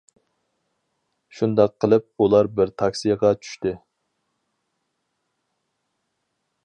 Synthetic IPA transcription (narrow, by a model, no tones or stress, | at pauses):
ʃund̪ɑqʰːəlˠɨp̚ulˠɑɾbɪɾt̪ʰɑkʲsijəʁɑt͡ʃʰy̥ʃt̪ɪ